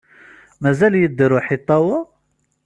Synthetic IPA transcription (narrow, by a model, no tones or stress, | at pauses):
mæzæljəd̪ːəɾuħit̪ˤːɑwɑ